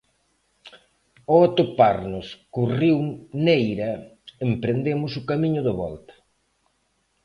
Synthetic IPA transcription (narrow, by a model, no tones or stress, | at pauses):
oat̪opaɾnʊskuriwnejɾɐempɾend̪emʊsʊkamiɲʊðɪβɔ̰lt̪ɐ̥